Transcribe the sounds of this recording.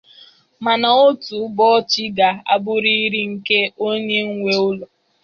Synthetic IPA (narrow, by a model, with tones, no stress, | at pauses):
ma˨na˨o˦tu˨˦bɔ˦t͡ʃi˦ɡa˨a̰˦˨bʊ˦ɾi˦ɾi˦ŋ̩˨ke˦o˦ɲe˦ŋ̩˦ŋʷe˦ʊ˦lɔ˨